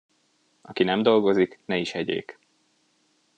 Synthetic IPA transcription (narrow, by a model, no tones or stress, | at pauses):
ʔɒkinɛmd̪o̞lɡo̞ziknɛiʃhɛɟḛːk